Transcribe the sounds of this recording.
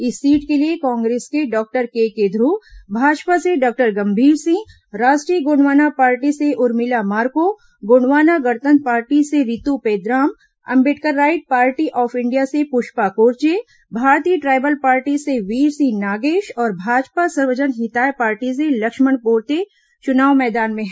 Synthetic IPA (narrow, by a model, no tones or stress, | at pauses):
ɪsːiːʈkeliekɔ̃ːŋɡɾeːskeɖɔːk̚ʈəɾkeːkeːd̪ʱɾubʱaːd͡ʒpaseɖɔːk̚ʈəɾɡɐ̃mbʱiːɾsĩː | ɾaːʃʈɾijəɡoːɳʋaːnapaːɾʈiseʔʊɾmɪlamaːɾko | ɡoːnʋaːnaɡɐɾt̪ə̃nt̪̚paːɾʈiseɾɪt̪upeːd̪ɾaːm | ɐ̰̃mbɪʈkəɾːaːɪʈ̚paːɾʈiʔɔːfɪɳɖijasepʊʃpakoːɾt͡ʃe | bʱaːɾt̪iːəʈɾaːbəlpaːɾʈiseʋiːɾsĩnaːɡeːʃɔːɾbʱaːd͡ʒpasɐɾʋəd͡ʒənɦɪt̪aːjpaːɾʈis̬elɐkʃməɳpoːɾt̪e | t͡ʃʊnaːʋmɛːd̪aːnmẽɦ